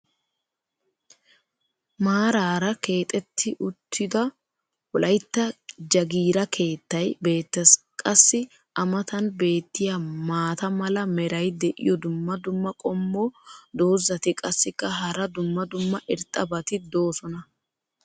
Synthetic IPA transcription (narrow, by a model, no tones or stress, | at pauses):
maːɾaːɾɐke̞ːt̪ʼɛt̪ʰːɪʔʊt̪ʰːɪd̪ɐ | wɔlɐjt̪ːɐd͡ʒɐɡiːɾɐkʰe̞ːt̪ːɐjbe̞ːt̪ːɛs | kʼɐsːɪ | ʔɐmɐt̪ɐnbe̞ːt̪ːɪjamaːt̪ɐmɐlɐmɛɾɐjd̪ɛʔɪ̰jɔd̪ʊmːɐd̪ʊmːɐkʼɔmːod̪o̞ːzːɐt̪ɪkʼɐsːɪkːɐɦɐɾɐd̪ʊmːɐd̪ʊmːɐʔɪɾt̪ʼɐbɐt̪ɪd̪o̞ːsɔnɐ